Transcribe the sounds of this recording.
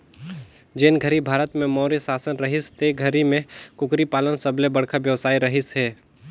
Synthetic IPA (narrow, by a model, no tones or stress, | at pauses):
d͡ʒenɡʱəɾibʱaːɾət̪mẽmɔːɾisaːsənɾɐɦɪst̪eɡʱəɾimẽkʊkɾipaːlənsɐblebɐɽ̤kʰaʋjɐʋsaːiɾɐɦɪsɦɛː